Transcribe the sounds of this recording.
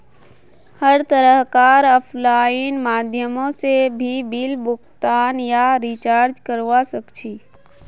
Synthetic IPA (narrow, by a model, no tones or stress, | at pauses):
həɾt̪əɾəɦkaːɾəpʰlaːinmaːd̪ʱjəmõsebʱibilbʊkt̪aːnjaɾit͡ʃaːɾd͡ʒkəɾʋasəkt͡ʃʰiː